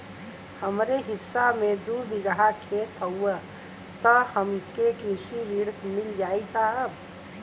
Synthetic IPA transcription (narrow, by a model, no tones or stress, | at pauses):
həmɾeɦɪsːamẽd̪ubɪɡəɦakʰet̪ɦəuə | t̪ɔhəmkekɾɪʃiɾiɽmɪld͡ʒaːisʰaɦəb